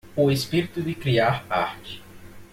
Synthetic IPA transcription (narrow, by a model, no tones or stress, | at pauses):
ʊespiɾit̪ʊd̪ɪkɾiaɾpa̰ɾt͡ʃɪ̥